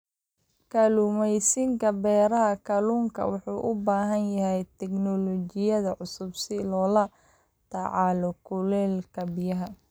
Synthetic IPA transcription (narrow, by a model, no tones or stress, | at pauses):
kʰɐluːmɛjsɪŋkʰɐbɛːɾɐɦɐkʰɐluːŋkʰɐ̰wɑħuːʔʊbaːɦɐnjɐɦɛjt̪ʰɛɡnɔlɔt͡ʃɪjɐðɐʕʊsʊbsɪlɔːlɐ | t̪ʰɐʕɑːlɔkʰʊlɛːlkʰɐbɪjɐɦɐ